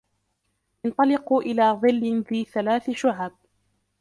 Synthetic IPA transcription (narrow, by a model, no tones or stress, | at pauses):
ʔɪnt̪ˤɑlɪquʔɪlaːðˤɨlːɪnðiːθalaːθɪʃʊʕaːb̚